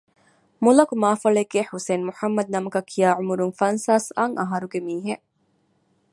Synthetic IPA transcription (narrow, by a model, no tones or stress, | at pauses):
mulɐkumaːfɐɭeɡːeħuseːnmuħɐmːɐd̪̚nɐmɐkɐkʰːijaːʕumuɾuŋfɐnsaːsaŋʔɐɦɐɾuɡemiːɦe